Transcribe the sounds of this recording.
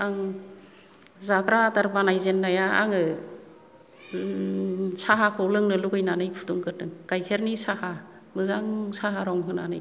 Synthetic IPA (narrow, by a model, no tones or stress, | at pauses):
aŋ | zakɾataɾbanajzenːajaa̰ŋɯ | saɦakʰɔwlɯŋnɯluɡɯjnanɯjpʰu̥tuŋkɯtɯŋkajkʰeɾnisaha | mɯzaŋsaɦaɾɔŋɦɯna̰nɯj